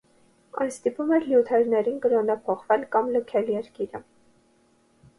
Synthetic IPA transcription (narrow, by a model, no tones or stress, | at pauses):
ɑ̰j̪st̪ipumɛɾljut̪ʰɛɾnɛɾinkəɾɔnɑpʰɔχvɛlkɑmləkʰɛljɛɾkiɾə